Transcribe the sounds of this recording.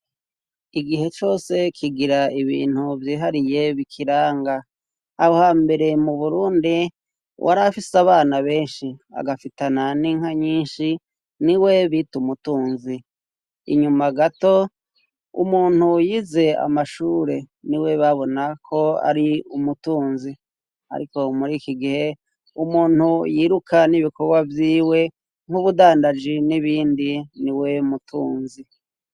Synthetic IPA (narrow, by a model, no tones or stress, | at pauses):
iɡiɦe̞t͡ʃo̞ːse̞kʰiɡiɾaiβḭːn̥huvjiːɦaɾije̞βikʰiɾaːŋɡa | ahohaːmbe̞ɾe̞muβuɾuːndi | wʔa̰ɾafisaβaːnaβe̞ːnʃia̰ɡafitananiŋ̥haɲiːnʃi | niwe̞βitumutuːnzi | ḭɲumaɡato̞ | ṵmuːn̥hujize̞a̰maʃuːɾe̞niwe̞βaβo̞nakʰo̞a̰ɾiumutuːnzi | a̰ɾiko̞muɾiːkiɡihe̞ | umuːn̥hujiːɾukʰaniβiko̞ɡwavjiːwe̞ | ŋ̥huβudaːndad͡ʒiniβiːndiniwe̞mutuːnzi